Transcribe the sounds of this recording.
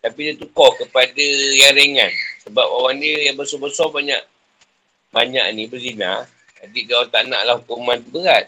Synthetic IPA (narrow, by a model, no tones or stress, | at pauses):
t̪apidiət̪ukɔhkəpadəjaŋɾəŋansəbap̚awandiəjaŋbəsɔbəsɔbaɲa̰ʔ | baɲa̰ʔnibəɡina̰ | dadidaat̪anã̰ʔlahukumant̪ubəɣat̪̚